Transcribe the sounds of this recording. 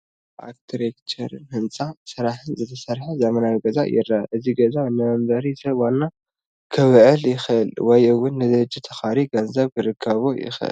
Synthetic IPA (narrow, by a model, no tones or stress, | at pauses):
ʔa̰kt̪ʰɾekt͡ʃʰɐɾɨnhɨnt͡sʼasɨɾaħɨnzɨt̪ʰɐsɐɾħazɐmɐnawiɡɐza̰jɪ̰rːaʔɨziɡɐzanɨmbɐɾisɐβwanːa | kʰɨβʕɨljɪxʔɨlwɔjɨwʊnːɨd̪ɐd͡ʒːit̪ʰɐxaɾiɡɐnzɐβɡɨɾɨkʰːɐβojɪ̰xʔɨ̰l